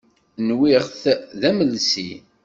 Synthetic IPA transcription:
nwiʁθðæməlsḭ

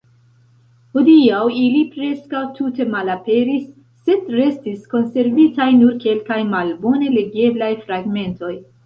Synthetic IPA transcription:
hodiawilipɾe̞skawtute̞malape̞ɾisː | e̞dɾe̞stisko̞nse̞ɾvitajnuɾke̞lkajmalbo̞ne̞le̞ɡe̞blajfɾaɡme̞nto̞j

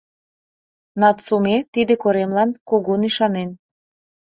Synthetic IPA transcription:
nɑt̪somet̪id̪ekoɾemlɑnkoɣoniʃɑnen

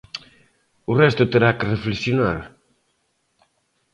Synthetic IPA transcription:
ʊrɛst̪ʊt̪eɾakɪreflesjonaɾ

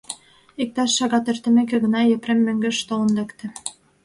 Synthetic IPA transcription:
ik̚t̪ɑʃːɑɣɑt̪ert̪ə̆mek̬ĕɣə̆nɑjĕpɾemːøŋɡɘ̆ʃt̪olə̆nlekt̪ĕ

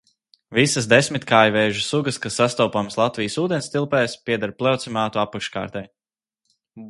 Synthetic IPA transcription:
visəsd̪esmit̪kʰaːjvɛːʒusuɡəskasːast̪ɔwpamslˠat̪vijəsuːd̪ʲɛnst̪ilˠpɛːjspʲiɛd̪aɾplʲˠawt̪simaːt̪uapakʃka̰ːɾt̪ɛj

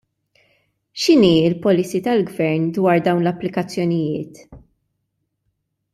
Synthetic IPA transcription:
ʃɪniːɪlpɔlisit̪ɐlɡvɛɾnd̪wɐːɾd̪ɐwnlɐpːlɪkɐt͡sːjɔnɪjɪːt̪

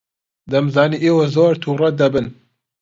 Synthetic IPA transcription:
d̪ɐmzɑːniːʔeːwozoːɾt̪ʰuːrɛd̪ɐbɨn

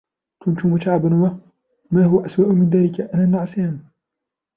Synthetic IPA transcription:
k̪ʊnt̪ʊmʊt̪aʕabanwa | maːhʊwaʔaswaːʔʊmɪnðaːlɪkaʔanaːnːaʕasaːn

